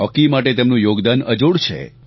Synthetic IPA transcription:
ɔkimaʈ̬et̪emnũjoɡd̪anəd͡ʒoɽt͡ʃʰḛ

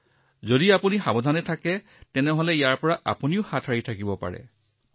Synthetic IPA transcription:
zodiapunixabɔdʱanɛtʰakɛ | tɛnɛɦɔlɛijaɹpɔɹaʔa̰puniʊxatʰaɹitʰakibɔpa̰ɹɛ̰

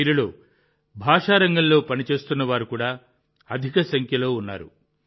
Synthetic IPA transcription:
iːɾiloː | bʱaːʂaːɾɐŋɡɐllo̞ːpɐnit͡ʃe̞ːst̪unːɐʋaːɾukuːɽaː | ɐd̪ʱikɐsɐŋkʰjɐlo̞ːunːa̰ːɾṵ

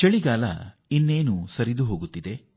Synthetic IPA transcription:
t͡ʃɐɭiɡaːlɐ̰ | inːeːnusɐɾid̪uɦo̞ːɡut̪ːid̪e

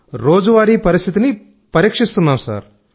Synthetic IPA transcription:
ɾoːd͡ʒuʋaːɾiːpɐɾist̪ʰit̪ini | pɐɾiːkʂist̪unːaːmsa̰ːɾ

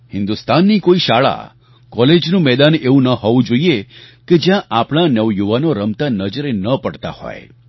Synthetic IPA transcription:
hɪ̃nd̪ust̪anːikoiʃaɭa̰ | kɔled͡ʒnũmɛd̪aneʋũnəɦɔʋũd͡ʒoieked͡ʒjãʔapɳ̃anəʋjuʋanoɾəmt̪anəd͡ʒɾenəpəɽt̪a̰hɔ̰e

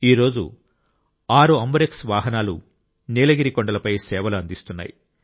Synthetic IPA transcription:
iːɾo̞ːd͡ʒṵ | aːɾuɐmbɐɾeksʋaːɦɐnaːlṵ | neːlɐɡiɾikɔɳɖɐlɐpɐjsɛːʋɐluɐnd̪ist̪unːa̰ːjḭ

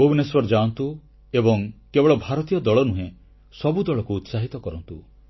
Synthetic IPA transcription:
bowneswɔɾd͡ʒaɔnt̪u | ebɔŋkebeɭɔbʱaɾɔt̪ijɔd̪ɔɭɔnuɦẽ | sɔbud̪ɔɭɔkuːt̪saɦit̪ɔkɔɾɔnt̪u

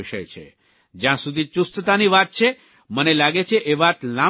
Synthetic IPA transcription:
iʃəjt͡ʃʰḛ | d͡ʒjãsud̪ʱit͡ʃust̪ət̪aniʋat̪̚t͡ʃʰe | mənelaɡet͡ʃʰeʔeʋat̪la

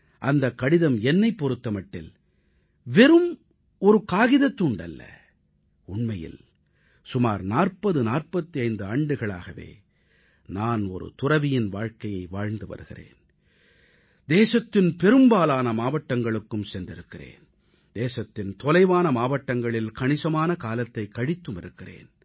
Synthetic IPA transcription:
ʔɐnd̪ɐkːɐɽɪðɐmɛnːɐɪpːɔɾɯt̪ːɐmɐʈːɪ̰l | ʋɛɾɯm | ɔɾɯkaːɣɪðɐt̪ːuɳɖɐ̰lːɐ̰ | ʊɳmɐjɪ̰l | sʊmaːɾnaːrpɐðɯnaːrpɐt̪ːiɐɪnd̪ɯɐɳɖɯɣɐɭa̰ːɣɐʋḛː | naːnɔ̰ɾɯ̰t̪ʊrɐʋɪjɪnʋaːɻkɐjɐɪʋaːɻnd̪ɯʋɐ̰ɾɯɣɪ̰rḛːn | d̪eːsɐt̪ːɪnpɛɾɯmbaːlaːnɐmaːʋɐʈːɐŋɡɐɭɯkːɯmsɛndrɪɾɯkːɪrḛːn | d̪eːsɐt̪ːɪnt̪ɔlɐɪʋaːnɐmaːʋɐʈːɐŋɡɐɭɪlkɐɳɪsɐmaːnɐkaːlɐt̪ːɐɪkːɐɽɪt̪ːɯmɪɾɯkːɪrḛːn

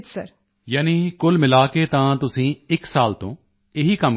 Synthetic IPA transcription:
səɾ | jaːniːkʊlmɪlaːkeːt̪ãːt̪ʊsĩːɪksaːlt̪õː | ɪɦiːkəm

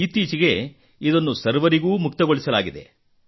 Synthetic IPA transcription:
it̪iːt͡ʃiɡe̞ | id̪ɐnːusɐɾʋɐɾiɡuːmukt̪ɐɡoɭisɐlaːɡid̪e̞̰

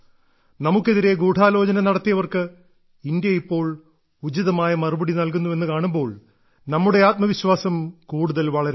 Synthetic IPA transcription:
nɐmukːe̞ðiɾe̞ɡuːʈʰaːlo̞ːd͡ʑɐnɐnɐɽɐt̪ːijɐʋɐrkɨ | ind̪jɐipːo̞ːɭ | ud͡ʑiðɐmaːjɐmɐrubɐɽinɐlkunːue̞nːɨkaːɳumbo̞ːɭ | nɐmːuɽe̞aːt̪̚mɐʋiɕwaːsɐmkuːɽuðɐlʋɐɭɐɾ

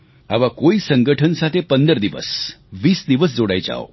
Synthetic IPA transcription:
a̰ʋakoisəŋɡəʈʰənsat̪ʰepənd̪əɾd̪iʋə̰sʋiːsd̪iʋəs̬d͡zoɽa̰jt͡ɕa̰o̰

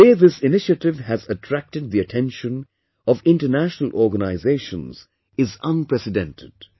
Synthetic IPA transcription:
eðɪsɪnɪʃətɪʋæzətʰɾæk̚tɨd̪̚ðiətʰɛ̃nʃə̃n | ɔvɪ̃nʈənæʃənəl̩ˠʔɔɹɡənaɪzeɪʃə̃nz̥ | ɪzʌ̃npɹɛsɪdɛ̃ntʰɪd̥

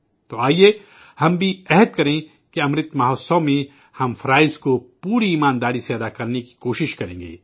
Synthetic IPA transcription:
t̪oaːie | hɐmbʱiɛɦəd̪̚kɐɾẽː | keɐmɾɪt̪maɦosɔːmĩ | hɐmfʰɐɾaːɪzkopuːɾiːmaːnd̪aːɾiseɐd̪aːkɐɾneki̥koːʃɪʃkɐɾḛ̃ːŋɡḛː

